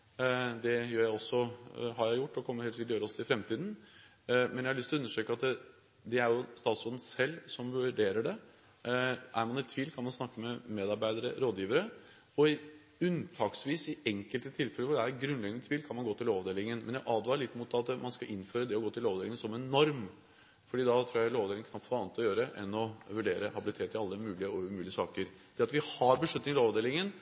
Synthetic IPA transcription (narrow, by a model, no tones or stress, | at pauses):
d̪ɛjøːɾjæɪɔsːɔɦɑɾjæɪjʊʈːɔkʰɔmːəɾheɛlsɪkət̪ɔjøːɾɔsːɔɪfɾɛmt̪iːd̪n̩ | mɛnjæɪhɑlɭʏst̪ʰlɔʉnːəʂøːkəɑt̪ | d̪ɛæɾjʊst̪ɑːt̪sɔnn̩sɛlːsɔmʋʉɖeːɾəɖɛ | æɾmɑnɪt̪ʰʋiːlkʰɑnmɑnsnɑkːəmɛmeːd̪ɑɾbæɪd̪əɾə̰ɾoːd̪jiːʋəɾə | ɔɪ | ʉnt̪ʰɑːksʋiːsɪɛŋkəlt̪ət̪ʰɪlfɛləʋʊɖɛæɾɛt̪ɡɾʉnlɛɡənət̪ʰʋiːlkʰɑnmɑnɡoːt̪ʰɪloːʋd̪eːlɪŋənmʔɛnjæɪʔɑːd̪ʋɑːɾəɭɪt̪ːmut̪ɑt̪mʔɑnskɑʔɪnføːɾəd̪ɛɔɡoːt̪ʰɪlloːʋdeːlɪŋənsɔmɛnɔɾm | fɔɖiːd̪ɑt̪ʰɾuːjæɪloːʋd̪eːlɪŋəkʰkɑfːɑːnət̪ɔjøːɾəʔɛnːɔʋʉɖeːɾəhɑbɪlɪt̪ʰeːt̪ːɪɑlːəmʉːlɪəɔʉmʉːlɪəsɑːkəɾd̪̥ɛɑt̪ʋɪhɑɾbəʂɭʉt̪nɪŋt̪ɪloːʋd̪eːlɪŋən